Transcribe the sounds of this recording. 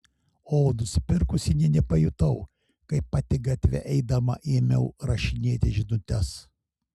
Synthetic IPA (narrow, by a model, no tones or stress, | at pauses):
oːnʊsʲɪpʲɪɾkʊsʲɪnʲɛnʲɛpɐjʊt̪ɐʊ | kɐɪpːɑːt̪ʲɪɡɐt̪ʲʋʲɛ̰ʔɛɪd̪ɐmɐ̰ʔeːmʲɛʊɾɐʃʲɪnʲeːt̪ʲɪʒʲɪnʊt̪ʲɛs